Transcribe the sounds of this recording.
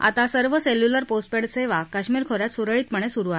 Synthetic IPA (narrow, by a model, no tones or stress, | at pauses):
a̰t̪asəɾʋəseljuləɾposʈpeɽseʋakaɕmiːɾkʰoɾjat̪suɾəɭiːt̪̚pəɳ̃esuɾua